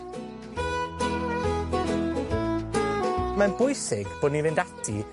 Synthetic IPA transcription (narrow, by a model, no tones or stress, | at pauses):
manbʊjsɪɡb̥oːdnivɨndatʰḭ